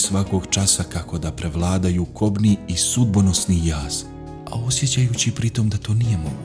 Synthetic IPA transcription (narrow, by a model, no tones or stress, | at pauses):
sʋako̞ɡt͡ʃasakako̞d̪apɾe̞ʋlˠaːd̪ajuːkʰo̞bniisud̪bono̞snijaːz̥ | a̰o̞sje̞t͡ɕajut͡ɕipɾit̪o̞md̪at̪o̞ːnije̞moɡ